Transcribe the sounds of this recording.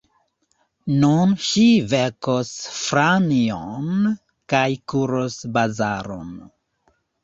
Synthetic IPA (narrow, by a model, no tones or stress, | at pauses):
nunʃivekosfɾanion | kajkuɾosbazaɾo̰n